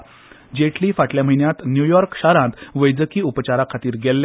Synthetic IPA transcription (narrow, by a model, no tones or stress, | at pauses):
d͡ʑeʈliːfaʈljam̤əɦiɳjat̪njujɔɾkɕaɾãnt̪ʋəjd͡zəkiːupət͡ɕaɾakʰat̪iːɾɡelː